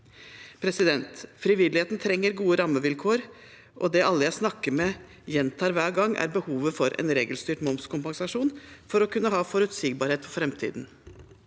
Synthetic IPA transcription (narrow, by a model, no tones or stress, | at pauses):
pʰɾɛsɪd̪ɛnt̪fɾɪʋɪlːɪheːt̪n̩t̪ʰɾɛŋːəɾɡuːəɾɑmːəʋɪlkʰoːɾ | ʔɔd̪ɛʔɑlːəjæɪsnɑkːəɾmɛ | jɛnt̪ʰɑːɾʋæːɡɑŋːæ̰ɾbəhuːʋəfɔɾɛ̰nɾeːɡəlst̪yːʈmɔmskʰʊmpɑŋsɑʂuːnfɔɾɔkʉnːəɦɑːfɔɾʉt̪siːɡ̚bɑːɾheːt̪fʰɔfɾɛmt̪ʰḭːd̪n̩